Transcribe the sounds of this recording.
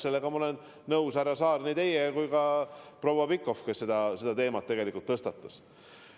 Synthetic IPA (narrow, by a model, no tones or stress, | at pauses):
se̞lːeɡ̥ɑmɑo̞lenː | ɤwsæɾɑsɑːɾnit̪e̞jekujkɑpro̞wɑpikːo̞fkesːe̞d̪ɑse̞d̪ɑt̪e̞ːmɑt̪̚ːe̞ɡ̥e̞likːˑult̪ːɤst̪ɑt̪ːˑɑ̥s